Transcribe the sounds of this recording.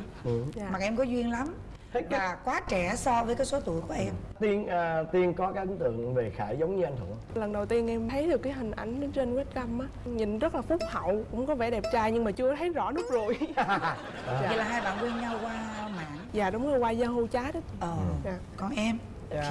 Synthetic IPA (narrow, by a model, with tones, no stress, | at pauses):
aː˨ma˨˩k̚ʔɛ˧mkɔ˨˦zwi˧ənla˨˦m˦˥ | vaː˨˩kwaː˨˦t͡ɕɛ˧˩sɔ˧vəː˨˦jkaː˨˦jso˨˦t̪u˧˨jku˧˩əʔɛ˧mt̪i˧ənʔt̪i˧ənkɔ˨˦kaː˦˥kʔɨ˨˦t̪ɨ̰˧˨əŋve˨˩xaː˧˩jzə˨˦wŋ͡mɲɨ˧ʔa˧jŋ̟t̪ɨ̰˧˩əŋlə˨˩ŋɗə˨˩wt̪i˧ənʔɛ˧mt̪ʰə˨˦jɗɨ˨˩əkːaː˨˦jɦï˨˩ŋ̟ʔa˨˩jŋ̟ɗt͡ɕe˧nwɛ˦˥t̚ka˧mʔaː˨˦ɲi˨˩nzt̚laː˨˩fʊ˦˥k͡p̚hə̰˧˨wkʊ̰˧˥ŋ͡mkɔ˨˦vɛ˧˩ɗɛ˨˩p̚t͡ɕaː˧jɲɨ˧ŋmaː˨˩t͡ɕɨ˧ət̪ʰə˨˦jzɔ̰˧˥nʊ˦˥k͡p̚zo˨˩j | aː˨˧˩laː˨˩ɦaː˧jɓa̰ː˧˨nkwi˧ənɲa˧wkwaː˧ma̰ː˧˨nzaː˨˩ɗʊ˨˦ŋ͡mzo˨˩jkwaː˧zaː˧ɦu˧t͡ɕaː˨˦ɗə˨˦əː˨˩aː˨˩kɔ˧˩nʔɛ˧m | a˨